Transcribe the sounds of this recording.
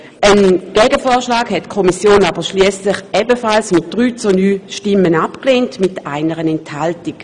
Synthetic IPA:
ʔənɡ̥ɛɡəfɔːɐʃlaːkhɛtkʰɔmisjoːnaːbəʃliəslɪχɛbəfalsmɪt̚d̥ʁyːt͡sunyːʃtɪmːənapkleːntmɪtaɪnəʁənɛnthaltik

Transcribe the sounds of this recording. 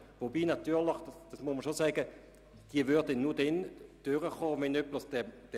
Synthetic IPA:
vobiːnat̪yːʁlɪχd̥sd̥ɑsmʊsmɐʃosɛːɡ̥ə | d̥iːəvøʁdənuːɐd̥ɛnd̥øʁəχoːvɛnœpləsd̥ɛd̥ɛ

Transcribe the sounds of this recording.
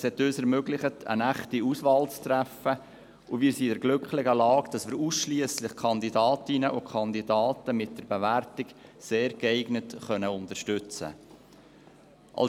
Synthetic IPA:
shɛtøːsɛɾmøɡlɪχətʰə̰næχtiusvɑːlt͡st̪ɾæfə | uvɪːɾsidɛɾɡlʏkχlɪɡəlɑːkd̥ɑsʋɪːɾuːsʃliəslɪχkʰɑnd̪idɑːtɪnəʔukʰɑnd̪idɑːtəmɪt̚d̥əɾbeværtɪkseːɾɡɛɪɡnətχœnəʊntəʃtʏt͡sə̰ | ʔɑ̰l

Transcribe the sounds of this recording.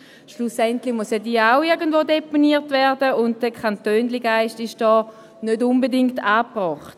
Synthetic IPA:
ʃlusɛntlɪçmusjɛdiːaʊɪɐɡəndvoːdeponiːtvɛɐdəʊnt̚d̥əkʰantøːnliɡaɪʃtɪʃd̥ɔː | nødʊnbədɪŋktaːpʁɔːχt

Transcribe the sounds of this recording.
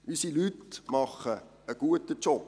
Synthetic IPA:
ʔysilytmɑχə | əɡ̥uətət͡ʃɔp

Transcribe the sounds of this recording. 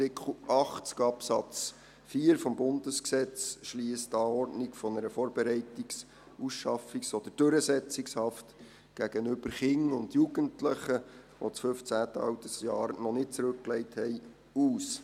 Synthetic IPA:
tɪkʰl̩ʔɑχtt͡skɑpsɑt͡s | fiːɾfɔmbʊndəsksɛt͡sʃliːəstɑːɔrdnikfɔnəɾəfɔːɾbɛɾɛɪtiks | usʃɑfiksɔd̥̪əɾd̥øɾəsɛt͡sɪkshɑft | ɡ̥æɡ̥ənʏbəɾχɪŋʊndjuɡəntləχəʋo̰t͡sfɵft͡sæːtəɑ̰wtəsjɑːɾnɔnɪt̚t͡sɾʉkklɛɪthɛɪ | uːs

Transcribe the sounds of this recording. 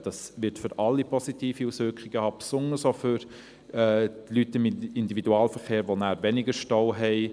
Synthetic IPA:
d̥ɑsʋɪɾtfʏɾɑlːipʰɔsitiːfiusʋʏɾkχɪɡ̥əhɑːpsʊnəsofʏɾ | ɛːtlytɪmɪndividuɑːlfəɾχeːɾʋonæːɾʋɛnɪɡəɾʃtɔʊɦɛɪ

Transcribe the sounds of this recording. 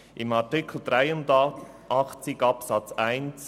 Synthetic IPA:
ʔɪmɑɹtɪkʰl̩d̪ɾaɪʊn | ʔɑχt͡sɪɡɑpsɑt͡saɪnt͡s

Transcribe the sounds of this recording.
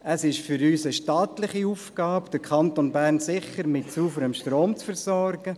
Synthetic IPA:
əsɪʃfʏɾyːsəʃtɑːt̪lɪχiufkɡ̥ɑːpd̪̥əɾkʰɑnt̪onbæːɾnsɪχːəɾmɪt̚t͡suːfəɾəmʃtɾoːmt͡sfəɾsɔɾɡ̥ə

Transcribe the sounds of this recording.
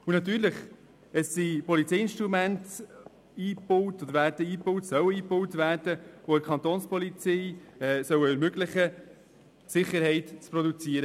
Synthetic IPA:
unɑt̪yːɾləχ | əssipɔlit͡sɛjɪnʃtɾumænt | iːpʊwtɔd̪əɾvæːɾdəiːpʊwtsœwəiːpʊwtvæːɾd̥əvoɛɾkʰɑnt̪oːnspɔlit͡sɛɪɛːsœwəɛɾmøɡlɪχə | sɪχːəɾhɛɪtt͡sprɔd̪ut͡siːɾə

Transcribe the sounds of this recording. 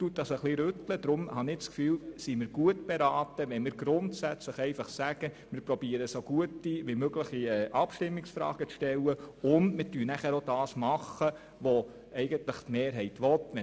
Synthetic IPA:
tut̚dɑsəχliɾʏtləd̥ɾʊmhɑnɪt͡skfyːlsimɪɾɡ̥uətb̥eɾɑːtəʋɛnmɪɾɡɾʊntsæt͡sləχɛɪfɑχsæɡ̥ə | mɪɾprɔbiəɾəsoɡ̥uətːiʋimøɡlɪχiɛːʔɑpʃtɪmːɪksfɾɑ̰ːɡ̥ət͡sʃtɛlːəʊndmɪtyːnæχæɾod̥ɑːsmɑχə | ʋɔ | ɛɪɡənt̪ləχtmeːɾɦɛɪtʋɔtʋɛ

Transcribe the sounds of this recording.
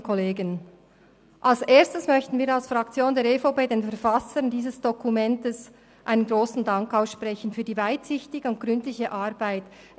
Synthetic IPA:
kʰɔleːɡən | ʔalsʔeːɐstəsmœçtn̩viːɾalsfʁɑk̚t͡sjoːndeːɐɾefaʊpeːdeːnfɛɐɾfɑsəndiːzəsd̥ɔkʰumɛntəs | ʔaɪnənɡɾoːsn̩dɑŋkaʊsʃpʁɛçən̩fyːɐdiːvaɪtsɪçtɪɡəʊnt̚ɡ̥ʁʏntlɪçəʔɑʁbaɪt

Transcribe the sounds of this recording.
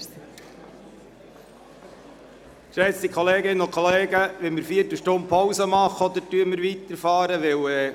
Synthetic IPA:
ʃɛsikʰχɔleːɡɪnənokʰχɔleːɡəʋɛnməɾfiətəʃtʊnt̪̚pʰɔwsəmɑχɔd̪əɾtyəməɾʋit̪əɾfɑːɾəʋɪwɛ

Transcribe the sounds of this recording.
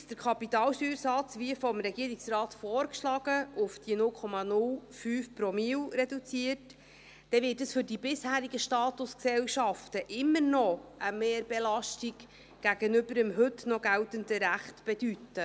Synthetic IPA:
sd̥əɾkʰɑpitɑːlʃyːɾsɑt͡sʋiəfɔmɾɛɡiːəɾiksrɑːt̪fɔːrkʃlɑːɡ̥əʔʊfd̥inʊlkʰɔmɑnʊlfyːfpɾɔmiːwɾɛdut͡siət | d̥ɛvɪːt̚dəsfʏɾdibɪshæːɾiɡəʃtɑːt̪ʊsksɛwʃɑftəʔɪmːəɾnɔəmeːɾbɛlɑʃtiɡ | ɡ̥æɡənɵbəɾəmɦɵtnɔɡæltəndəɾæχtb̥ɛdytːə

